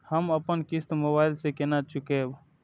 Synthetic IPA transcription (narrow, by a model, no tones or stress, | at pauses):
həməpənkɪst̪mʊbaːɪlsekenat͡ʃʊkeːb